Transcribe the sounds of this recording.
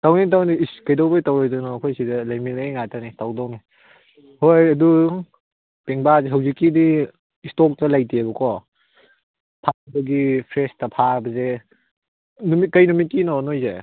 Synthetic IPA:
tawnit̬awniskajdowbajtawɾɔjdɔnɔkʰɔjsidɐlajminajŋatanitawdɔŋi | hojɐdu | peŋbazeɦawzikːidiː | stɔk̚tɐlajtʰibɐkʰɔ | pʰabɐɡipʰɾestɐpʰabɐze | numikɐjnumit̚kːinɔnojze

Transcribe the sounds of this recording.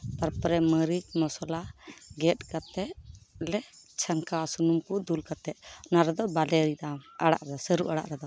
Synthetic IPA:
paɾpɾɛməɾit͡ʃmɔsɔlaɡɛt̚kat̪ɛʔlɛ | t͡ʃʰaŋkasunumkud̪ulkat̪ɛnaɾɛd̪ɔbalɛɾid̪amaɽa̰ʔɾɛd̪ɔsəɾuʔaɽa̰ʔɾɛd̪ɔ

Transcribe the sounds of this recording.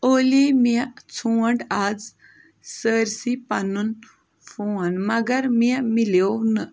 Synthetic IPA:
olimiat͡sʰuwəɳɖad͡z | səɾsipanun | fuanmɐɡəɾmimilewnə

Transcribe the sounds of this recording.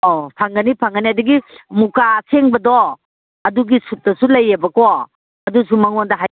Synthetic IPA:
opʰaŋɡɐnipʰaŋɡɐniɐdɐɡimukaːsʰeŋbɐdɔ | ɐduɡisut̚ːɐsulɐjːebɐkɔ | ɐdus̬umɐŋondɐɦa

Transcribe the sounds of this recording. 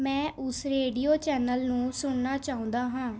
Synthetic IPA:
mɛ̃ːʔʊsɾeːɖiːoːt͡ʃɛːnəlnũːsʊɳnaːt͡ʃaːʊ̃ːnd̪aːɦãː

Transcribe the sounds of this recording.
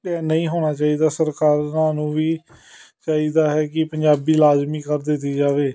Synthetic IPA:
ɛːnəĩːɦoːñaːt͡ʃaːiːd̪aːsəɾkaːɾaːnũːʋiː | t͡ʃaːiːd̪aːɦɛːkɪpəɲd͡ʒaːbiːlaːzmiːkəɾd̪ɪt̪ːiːd͡ʒaːʋeː

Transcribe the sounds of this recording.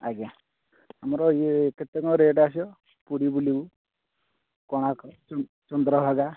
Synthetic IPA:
aɡa | amɾɔjeket̪ːekɔ̃ɾeːʈas̬ɔ | puɽibuliu | kɔɽ̃akɔ | t͡ʃɔnd̪ɾɔbʱaɡa

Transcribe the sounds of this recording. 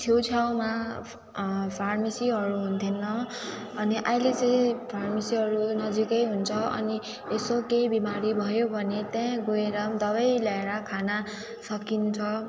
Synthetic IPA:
t̪ʰjot͡sʰaw̃ma | pʰarmisiɦʌɾuɦunt̪ʰenːʌ | ʌniʔaĩlet͡sʌĩpʰarmisiɦʌɾunʌd͡zikʌjɦunt͡sʰʌʌ̰ni | esokejbimaɾibʱʌjobʱʌnet̪jãɡoeɾʌmd̪ʌβʌjlaeɾʌkʰana | sʌkint͡sʰʌ

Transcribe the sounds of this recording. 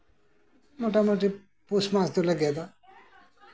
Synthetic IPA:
moʈamoʈi | pusmasd̪ulaɡɛd̪a

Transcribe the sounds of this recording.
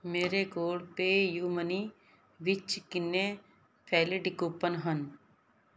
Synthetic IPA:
meːɾeɡoːɽpejuːməni | ʋɪt͡ʃkɪnːẽ | pʰɛːliɖɪkoːpənɦən

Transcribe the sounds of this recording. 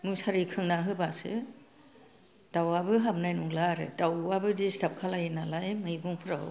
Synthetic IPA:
mɯsaɾikʰɯŋnaɦɯbasɯ̰ | d̥awabɯɦam̚najnuŋlaɾɯ̰dawabɯdistap̚kʰalajinalajmɯjɡuŋpʰɯɾa

